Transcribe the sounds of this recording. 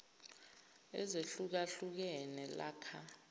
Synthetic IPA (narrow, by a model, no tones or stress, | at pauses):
ɛ̰zeɬuk̬aɬuk̬ɛnɛla̰ːkʰa